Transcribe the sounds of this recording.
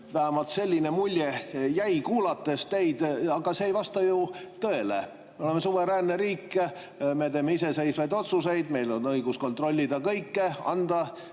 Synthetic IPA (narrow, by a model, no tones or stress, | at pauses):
væɦæmɑlt̪se̞lʲːine̞mulʲjejæjkuːlɑt̪ːˑe̞st̪e̞jd̪̥ɑɡ̥ɑseːjvɑst̪ɑjut̪ɤ̞e̞lḛ | me̞o̞le̞me̞suveɾæːnːeɾiːkː | met̪e̞ːmeise̞se̞jsvɑjd̪o̞t̪suse̞jd̪̥me̞jlo̞nːɤjɡ̥usko̞nt̪ˑro̞lʲːid̪ɑkɤjkːeɑ̰nd̪̥ɑ